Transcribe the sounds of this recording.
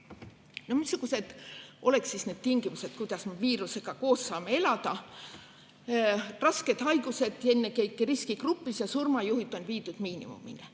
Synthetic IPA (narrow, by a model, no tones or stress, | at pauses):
no̞hmisːuɡ̥use̞d̪̥ʔo̞le̞ksisne̞ːd̪̚t̪iŋɡ̥imuse̞t̪̚kujd̪̥ɑsmeviːɾuse̞ɡ̥ɑko̞ːsːɑːmee̞lɑd̪̥ɑ | rɑske̞d̪̥ɦɑjɡ̥use̞d̪̥e̞nːekejkːeriskikrupːˑisjɑsurmɑjuhit̪ːˑo̞nviːd̪ud̪̥miːnḭmṵmḭne